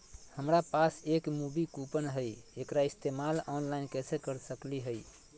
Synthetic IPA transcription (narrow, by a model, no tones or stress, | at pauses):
həmɾapasekmubikupənɦəjekɾaist̪emalɔnlainkɛsʰekəɾsəkliɦəj